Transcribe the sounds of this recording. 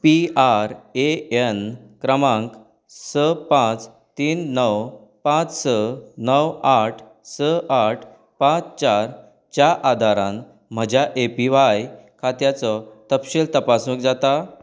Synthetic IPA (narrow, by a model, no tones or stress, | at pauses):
piaɾeenkɾəmãŋk | səpãt͡s | t̪iːnːəw | pãt͡ssənəwaʈʰ | səʔaʈʰ | pãt͡st͡ɕaɾ | t͡ɕjaʔad̪ʱaɾãn | m̤əd͡ʑjaʔepiʋajkʰat̪jat͡sɔt̪əpɕilt̪əpasũkd͡zat̪a